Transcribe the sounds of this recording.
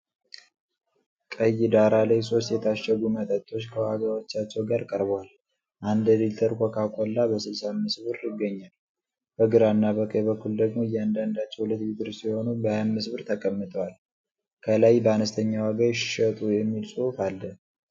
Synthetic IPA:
kʼəjːɪd̪aɾalajso̞s̬t̪jɛt̪ʰaʃɛɡumət̪ʼət̪ʼːo̞t͡ʃːkʰəwaɡawo̞t͡ʃːat͡ʃːɛwɡaɾkʼəɾbwal | ʔand̪d̪ilt̪ʰəɾkʷʰokʰakʼolːabəsɨlsamːɨsβɨɾɪɡːəɲːal | b̥əɡɨɾanːabəkʼəjbəkʰːuld̪əɡmo̞ɨjːɛand̪and̪at͡ʃːɛwhulət̪jit̪ɨɾsijɛho̞nubəajanmɨsβɨɾt̪ʰəkʼəmːɨt̪ʼʰəwal | kʰəlajbəanəst̪ʰəɲːawaɡajʃɪ̥ʃət̪ʼujɛmːilsʼuhufalːə

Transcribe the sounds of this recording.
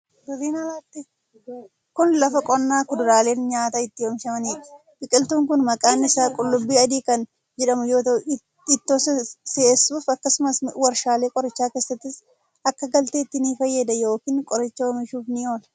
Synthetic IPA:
dʊɾiːnɐlaːt̪ːɪ | kʊnlɐfɐkʼɔnːaːkʊd̪ʊɾaːle̞ːnɲaːt̪ɐɪt̪ːɪjɔmɪʃɐmɐniːᶑɐ̥ | bɪkʼɪlt̪uːŋkʊnmɐkʼaːnːɪsaːkʼʊlːʊbːiːɐd̪iːkɐn | d͡ʒɛᶑɐmʊjoːt̪ɐʊ | ɪt̪ːosɐsesːuːfɐkːɐsʊmɐswɐɾʃaːle̞ːkʼɔɾɪt͡ʃːaːke̞ːsːɐt̪ːɪs | ɐkːɐɡɐlt̪eːt̪ːɪniːfɐjːɛd̪ɐjo̞ːkiːnkʼɔɾɪt͡ʃːɐɔmɪʃuːfnɪoːlɐ

